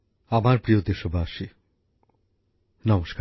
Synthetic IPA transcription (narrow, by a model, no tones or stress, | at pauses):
amaɾpɾiod̪eʃobʱaaʃi | nɔmoʃka